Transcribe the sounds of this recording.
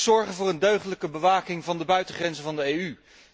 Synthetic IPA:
z̥ɔɹχənvʊːrəndøɥχələkəbəʋaːkɪŋvɑndəbœɥtəχrɛnzəvɑndəeːjy

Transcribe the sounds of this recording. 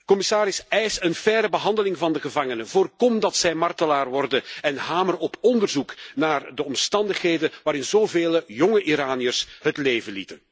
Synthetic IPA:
kɔmɪsaːɾɪsɛjsənfɛɾəbəɦɑndəlɪŋvɑndəɣəvɑŋənəvoːrkɔmdɑtsɛjmɑrtəlaːrʋɔrdəɛnɦaːmərɔpʰɔndərzuknaːrdəɔmstɑndəχɦeːdəʋaːɾɪnzoːveːləjɔŋəʔiɾaːnijərsɦətleːvənlḭtən

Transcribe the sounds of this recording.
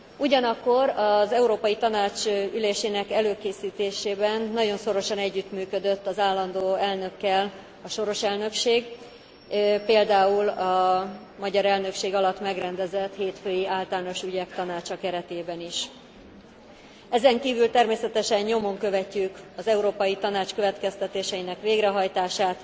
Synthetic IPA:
uɟɒnɒkːo̞ɾɒzɛuɾoːpɒjit̪ɒnaːt͡ʃyleːʃeːnɛkɛløːkeːsiːt̪eːʃeːbɛnːɒɟo̞nso̞ɾo̞ʃɒnɛɟːyt̪myːkø̞d̪øt̪ːɒzaːlːɒnd̪oːɛlnø̞kːɛl | ɒʃo̞ɾo̞ʃɛlnø̞kʃeːɡ | peːld̪aːulɒ | mɒɟɒɾɛlnø̞kʃeːɡɒlɒt̪mɛɡrɛnd̪ɛzɛt̪heːt̪føːjiʔaːlt̪aːno̞ʃyɟɛkt̪ɒnaːt͡ʃɒkɛɾɛt̪eːbɛniʃ | ɛzɛŋkiːvylt̪ɛrmeːsɛt̪ɛʃɛɲɲo̞mo̞ŋkø̞vɛcːykɒzɛuɾoːpɒjit̪ɒnaːt͡ʃkø̞vɛt̪kɛst̪ɛt̪eːʃɛjinɛkʋeːɡrɛɦɒjt̪aːʃaːt̪

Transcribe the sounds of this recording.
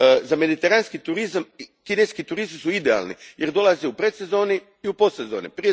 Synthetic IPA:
zame̞d̪it̪eɾanskit̪uɾizamkineskit̪uɾist̪isuid̪ea̰ːlnḭjeɾd̪o̞lˠaziupɾet̪sezo̞ːni | iupost̪sezo̞̰ːnḭpɾije

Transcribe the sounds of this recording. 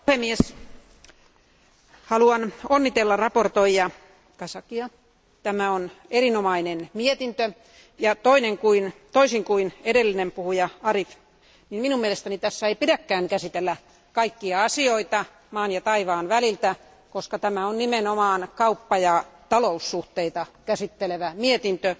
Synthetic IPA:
hemːies | hɑluɑnonːit̪elːɑrɑport̪oijɑ | kɑsɑkiɑ | t̪æmæonerinomɑinenmiet̪int̪ø | jɑt̪oineŋkuint̪oisiŋkuinedelːinempuhujɑɑrif | nimminummielest̪ænit̪æsːæeipidækːæːŋkæsit̪elːæ | kɑikːiɑɑsioit̪ɑ | mɑːnjɑt̪ɑiʋɑːnʋælilt̪æ | koskɑt̪æmæonnimenomɑːnkɑupːɑjɑt̪ɑlousːuht̪eit̪ɑkæsit̪ːeleʋæmiet̪int̪ø

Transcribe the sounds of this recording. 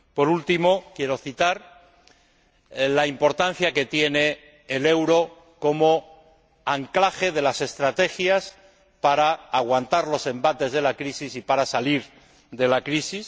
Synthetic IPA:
po̞ɾult̪imo̞kje̞ɾo̞θit̪aɾ | laimpo̞ɾt̪an̟θjake̞t̪je̞ne̞ː | le̞wɾo̞ | ko̞mo̞ | aŋklaxe̞ð̞e̞lase̞st̪ɾat̪e̞xjas | paɾaːɣwant̪aɾlo̞se̞mbat̪e̞zðe̞lakɾisisipaɾasaliɾ | ðe̞lakɾisis

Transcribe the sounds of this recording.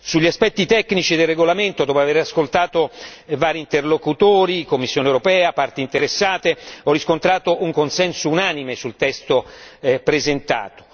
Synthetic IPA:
suʎːiaspɛt̪ːit̪ɛkːnit͡ʃid̪elrːeɡolament̪od̪ɔːpoaveɾaskolt̪aːt̪ovaːɾiːnt̪erlokut̪oːɾikomːisːjoːnewuɾopɛːapart̪int̪eɾesːaːt̪eɔrːiskont̪ɾaːt̪oʔuŋkonsɛnsounaːnimesult̪ɛst̪opɾezent̪a̰ːt̪o̥

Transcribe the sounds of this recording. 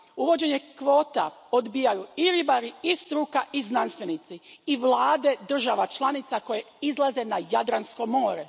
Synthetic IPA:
uʋo̞d͡ʑe̞ɲe̞kʋo̞ːt̪a̰od̪bijajuiɾibaɾiist̪ɾukaʔiznanst̪ʋenit̪siiʋlˠaːd̪e̞d̪r̩ʒaʋat͡ʃlˠanit̪sako̞je | izlˠaze̞najad̪ɾansko̞mo̞ːɾe

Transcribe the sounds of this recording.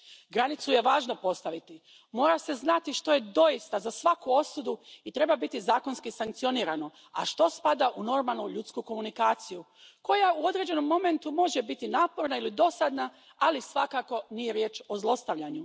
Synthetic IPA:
ɡɾanit̪suje̞ʋaːʒnopo̞st̪aʋit̪i | mo̞ːɾase̞znat̪iʃt̪o̞je̞d̪o̞jist̪azasʋakuo̞sud̪uit̪ɾe̞babit̪izaːko̞nskisaŋk̚t̪sio̞niːɾano̞ | a̰ʃt̪o̞spad̪aʔuno̞ɾmalˠnuʎut̪skuko̞munikaːt̪siju | ko̞jauo̞d̪ɾe̞d͡ʑe̞no̞mːo̞me̞nt̪umo̞ʒebit̪inaːpo̞ɾnailid̪o̞sad̪na | alisʋakako̞nije̞ɾje̞ːt͡ʃo̞zlˠo̞st̪aʋʎaɲu

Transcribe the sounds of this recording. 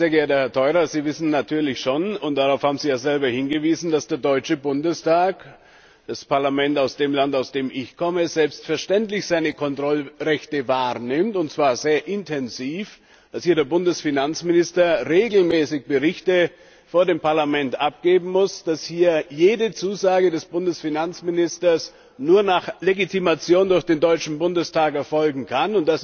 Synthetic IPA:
zeːɐɡɛɐt̚əhɛɐtʰɔʏʁɐziːvɪsn̩natʰyːɐlɪçʃoːnʊnt̚d̥aʁaʊfhaːbm̩ziːjaːzɛlbɐhɪnɡəviːzn̩dasd̥eːɐdɔʏt͡ʃəbʊndəstʰaːk | d̥aspaɐlamɛntaʊsd̥eːmlantaʊsd̥eːmʔɪçkʰɔməzɛlpstfɛɐʃtɛntlɪçz̥aɪnəkʰɔntʁ̥ɔlʁɛçtəvaːʁnɪmtʊntt͡sv̥aːɐzeːɐʔɪntʰɛnziːf | d̥ashiːɐɾeːɐbʊndəsfinant͡smɪnɪstɐʁeːɡl̩mɛːsɪçb̥əʁɪçtə | foːɐdeːmpaɐlamɛntʔap̚ɡ̥eːbm̩mʊsd̥ashiːɐjeːdət͡suːzaːɡədɛsb̥ʊndəsfinant͡smɪnɪstɐs | nuːɐnaːχleɡitʰimat͡sjoːndʊɐçd̥eːndɔʏt͡ʃn̩bʊndəstʰaːkɛɐfɔlɡŋ̩kʰanʊnt̚d̥as

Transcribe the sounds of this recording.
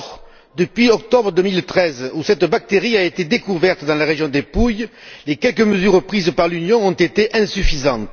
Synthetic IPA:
ʁ | d̪əpɥiɔk̚t̪ɔbʁəd̪əmilt̪χɛzusɛt̪bak̚t̪eʁiaet̪ed̪ekuvɛʁt̪əd̪ɑ̃laʁeʒjɔ̃d̪epujlekɛlkəməzyʁpχizəpaʁlynjɔ̃ɔ̃nt̪et̪eʔɛ̃syfizɑ̃t̪

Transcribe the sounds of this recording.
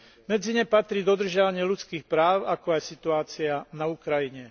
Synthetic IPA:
mɛd͡ziɲɛpat̪ɾiːd̪ɔd̪r̩ʒɪaʋaɲɪɛʎut͡skiːxpɾaːʊakɔajsit̪uaːt͡sianaukɾajiɲɛ

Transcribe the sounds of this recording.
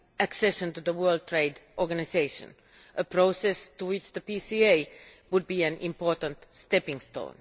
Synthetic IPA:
ʔæksɛʃə̃nt̪uðəwɜ˞lˠd̚t̪ʰɹeɪdʔɔɹɡanɪseɪʃə̰̃n | ʔəpɾoʊsɛst̪uwɪt͡ʃðəpisieɪ | wʊd̪̚biːæ̃nʔɪ̰̃mpɔɹtə̃nt̪st̪ɛpɪ̃ŋst̪õ̰ʊ̃n

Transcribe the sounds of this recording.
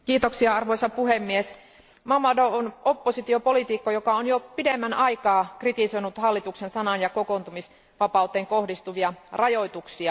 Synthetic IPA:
kiːt̪oksiɑɑrʋoisɑpuhemːies | mɑmɑdoonopːosit̪iopolit̪iːkːojokɑonjopidemːænɑikɑːkrit̪isoinut̪hɑlːit̪uksensɑnɑnjɑkokont̪umis | ʋɑpɑˑut̪ːˑeːŋkohdist̪uʋiɑrɑjoit̪uksiɑ

